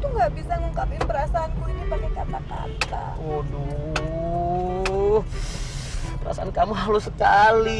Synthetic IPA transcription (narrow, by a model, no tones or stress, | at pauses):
t̪uŋɡaʔbisaŋukapɪnbəɾasaːnkuinipaɲakat̪aka̰t̪a̰ | odɔ | bəɾa̰saankamuɦalosəkali